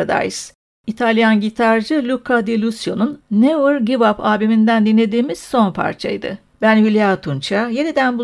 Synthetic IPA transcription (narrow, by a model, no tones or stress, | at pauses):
d̪a̰js | it̪ʰalʲjanɟit̪ʰaɾd͡ʒɯlʲukʰad̪elʲusjo̞nunːevɯɾɟivapʰaːbemind̪ænd̪inlʲe̞d̪iːmiz̥so̞npʰa̰ɾt͡ʃʰa̰jd̪ɯ̰ | bænvilʲjat̪ʰunt͡ʃʰaje̞nid̪ænbu